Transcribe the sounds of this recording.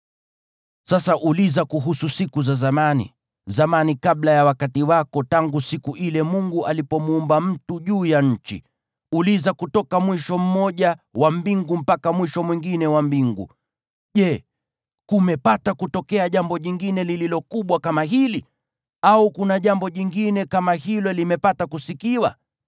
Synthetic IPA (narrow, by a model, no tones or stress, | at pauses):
sasaʔulizakuɦususikuzazamanḭ | zamanikaɓlajawakatiwakɔtaŋɡusikuʔilɛmuŋɡuʔalipɔmuːmbam̩tuʄuːjaɲ̩t͡ʃḭ | ulizakutɔkamwiʃɔm̩mɔʄawambiŋɡum̩pakamwiʃɔmwiŋɡinɛwambiŋɡṵ | ʄɛ | kumɛpatakutɔkɛaʄambɔʄiŋɡinɛlililɔkuɓwakamaɦili | aukunaʄambɔʄiŋɡinɛkamahilɔlimɛpatakusikiwa̰